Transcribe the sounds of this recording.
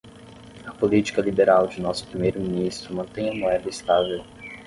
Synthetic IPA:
ɐpolit͡ʃi̥kɐlibeɾawd͡ʒɪnɔsʊ̥pɾimejɾʊminist̪ɾʊmɐ̃nt̪ẽj̃ɐmoɛd̪ɐɪst̪avew

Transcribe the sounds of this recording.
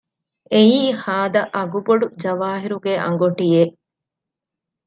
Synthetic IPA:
eiːhaːd̪ɐʔɐɡuboɖud͡ʒɐʋaːɦiɾuɡeʔɐ̰ŋɡoʈije

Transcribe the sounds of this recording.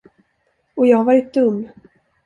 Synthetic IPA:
ɔjɑːhavɑːɾɪt̪̚d̪ɵmː

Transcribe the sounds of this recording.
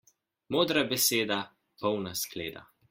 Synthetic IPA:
moːd̪ɾabɛseːd̪a | pɔwnaskleːd̪a̰

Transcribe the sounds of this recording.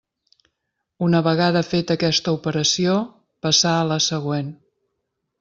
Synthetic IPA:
unəβəɣaðəfet̪əkɛst̪əupəɾəsio | pəsaələsəɣwen

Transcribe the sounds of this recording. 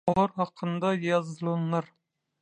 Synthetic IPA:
ɑɾhɑqʰənd̪ɑjɑzlˠɑnːɑɾ

